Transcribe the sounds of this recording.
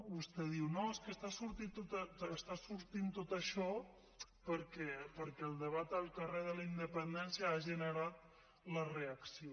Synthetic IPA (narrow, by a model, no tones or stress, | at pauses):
bust̪ɛðiwnoeskəst̪asuɾt̪it̪ot̪əːst̪asuɾt̪int̪ot̪əʃɔ | pəɾkɛpəɾkɛːlˠd̪əβat̪əlˠkəreðələind̪əpənd̪ɛnsiəaʒənəɾat̪̚ | ləreəksio